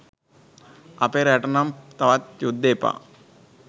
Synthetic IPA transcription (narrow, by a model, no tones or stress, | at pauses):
ɐpeɾɛʈɐnɐmt̪ɐʋat̪jud̪ːeːpa̰